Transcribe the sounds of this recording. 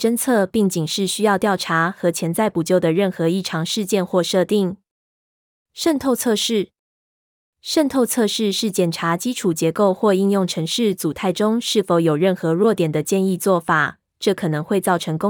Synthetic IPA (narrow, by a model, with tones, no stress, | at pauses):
ʈ͡ʂə˥nt͡sʰɤ˥˧pi˥˩ŋt͡ɕi˨˩ŋʂɻ̩˥˩ɕy˥jɑ˥˧ʊt̪jɑ˥˩ʊʈ͡ʂʰa˧˥xɤ˧˥t͡ɕʰjɛ˧˥nt͡sa˥˩ɪpu˨˩t͡ɕjo˥˩ʊd̪ə˩ɻə˥˩nxɤ˧˦i˥˩ʈ͡ʂʰɑ˧˥ŋʂɻ̩˥˧t͡ɕjɛ˥˧nxwɔ˥˧ʂɤ˥˧t̪i˥˩ŋ | ʂə˥˧nt̪ʰo˥˧ʊt͡sʰɤ˥˧ʂɻ̩˥˩ | ʂə˥˧nt̪ʰo˥˧ʊt͡sʰɤ˥˧ʂɻ̩˥˧ʂɻ̩˥˩t͡ɕjɛ˨˩nʈ͡ʂʰa˧˥t͡ɕi˥ʈ͡ʂʰu˨˩t͡ɕjɛ˨˧˥ko˥˧ʊxwɔ˥˧i˥˧njʊ˥˩ŋʈ͡ʂʰɤ˧˥ŋʂɻ̩˥˩t͡su˨˩t̪ʰa˥˩ɪʈ͡ʂʊ˥ŋʂɻ̩˥˩fo˧˥ʊjo˨˩ʊɻə˥˩nxɤ˧˥ɻwɔ˥˩t̪jɛ˨˩nd̪ə˦t͡ɕjɛ˥˧ni˥˧t͡swɔ˥˩fa˨˩ | ʈ͡ʂɤ˥˩kʰɤ˨˩nɤ˧˦ŋxwe˥˧ɪt͡sɑ˥˩ʊʈ͡ʂʰɤ˧˥ŋkʊ˥